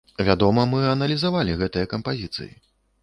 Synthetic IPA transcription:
vʲad̪ɔmɐmɨɐnɐlʲizavalʲiɣɛt̪ɨjɐkɐmpazʲit̪sɨ̰jḭ

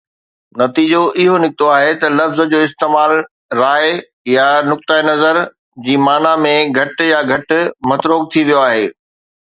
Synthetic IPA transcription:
nɐt̪iːd͡ʑoʔɪɦonɪk̚t̪oaːɦet̪ɐlɐfz̆d͡ʑoːɪst̪eːmaːl | ɾaːɪ | janʊk̚t̪aenɐzəɾ | d͡ʑiːmaːnamẽɡʱɐʈjaɡʱɐʈmɐt̪ɾoːk̚t̪ʰiʋijoaːɦeː

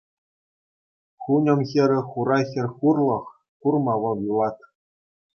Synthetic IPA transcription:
χunʲɤ̆mxʲɘ̆ɾʲɘ̆χuɾɑxʲɘ̆rʲχurlˠɤ̆χ | kurmɑʋɤ̆lˠjulˠɑt̪

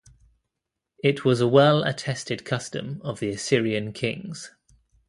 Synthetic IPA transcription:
ɪʔʰwɒzəwɛlə̰tʰɛstɪd̚kʰʌstə̰̃məvðiəsɪɹiə̃nkʰɪ̃ŋz̥

